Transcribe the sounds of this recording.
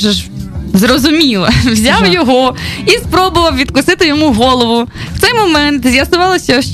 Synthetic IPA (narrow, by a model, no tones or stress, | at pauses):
ʒɛʒzɾɔzʊmʲilˠɐwzʲɑwjɔɦɔispɾɔbʊʋɐwʋʲid̪kʊsɪt̪ɪjɔmuɦɔlˠɔʋʊw̥t̪sɛjmɔmɛnt̪zʲjɐsʊʋɑlˠɐsʲɐʃ